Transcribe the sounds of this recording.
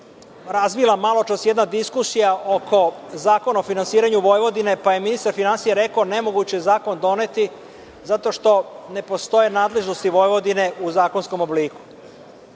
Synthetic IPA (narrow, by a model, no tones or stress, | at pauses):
ɾazʋilˠamalo̞t͡ʃasjed̪nad̪iskusijaʔokʰo̞zaːko̞naofinansiːɾaɲuʋo̞jʋo̞d̪ine̞paje̞minist̪aɾfinansijeɾe̞kaone̞mo̞ɡut͡ɕezaːko̞nd̪o̞ne̞t̪i | zat̪o̞ʃt̪o̞ne̞po̞st̪o̞je̞naːd̪le̞ʒno̞st̪iʋo̞jʋo̞d̪ine̞ʔuzaːko̞nsko̞mo̞bliːku̥